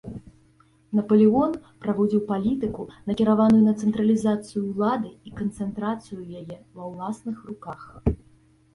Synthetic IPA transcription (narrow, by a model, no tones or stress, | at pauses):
nɐpɐlʲiɣɔnpɾavɔd͡zʲiwpalʲit̪ɨkunɐkʲiɾavanujunɐt̪sɛnt̪ɾɐlʲizat̪sɨjuwlˠad̪ɨikɐnt̪sɛnt̪ɾat̪sɨjujajɛvɐwlˠasnɨxrukax